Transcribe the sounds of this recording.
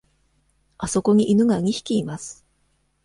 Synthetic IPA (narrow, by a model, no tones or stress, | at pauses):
aso̞ko̞ɲ̟iʔinɯ̟ɡaɯɲ̟ʲiçi̥kʲiːmasɨ̥